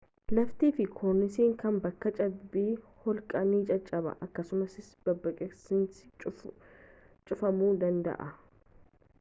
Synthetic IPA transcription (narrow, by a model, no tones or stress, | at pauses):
lɐft̪iːfɪkʰoɾnɪsiːŋkɐnbɐkːɐt͡ʃʼɐbbːiːhɔlkʼɐniːt͡ʃʼɐt͡ʃʼːɐbɐ̰ʔɐkːɐsʊmɐsɪsbɐbːɐkʼɛsɪnsɪ̥t͡ʃʼ | t͡ʃʼʊfɐmuːd̪ɐnd̪ɐ̰ʔɐ